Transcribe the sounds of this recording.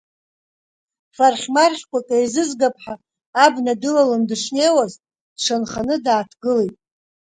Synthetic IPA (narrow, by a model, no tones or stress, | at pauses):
farχʲmarχʲkʷʰʼakʼajzɨzɡapʰʼħaː | bnadɨlalandɨʂnejwaztʼ | d̥ʂanχanɨdaːtʰɡɨle̞jtʼ